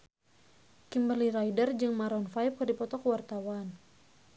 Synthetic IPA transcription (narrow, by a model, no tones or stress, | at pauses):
kimbaliɾajdərd͡ʒɨŋmaɾɔnfajp̚kɨrdipɔt̪ɔkwart̪awan